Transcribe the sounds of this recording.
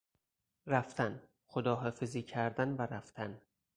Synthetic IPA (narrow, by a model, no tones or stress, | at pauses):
ɾæft̪ʰæn | xod̪ɒːɦɒːfeziːkcʰæɾd̪ænvæɾæft̪ʰæn